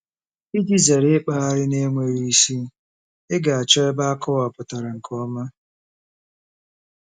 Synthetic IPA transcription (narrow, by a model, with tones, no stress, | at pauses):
i˦di˦ze˨ɾɪ˦k͡pa˦a˦ɾɪ˦ne˦ŋʷe˨ɾi˦i˦si˦ | ɪ˦ɡa˨a˨t͡ʃɔ˦ɪ˦ba˦a˦kʰɔ˦wa˨pʊ˨ta˨ɾa˨ŋ̩˨kʰɔ˦ma˦